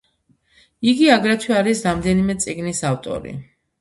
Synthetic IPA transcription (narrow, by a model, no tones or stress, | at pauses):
iɡiaɡɾɛt̪ʰwiaɾisɾamd̪ɛnimɛt̪sʼiɡnisaft̪ʼɔ̰ɾḭ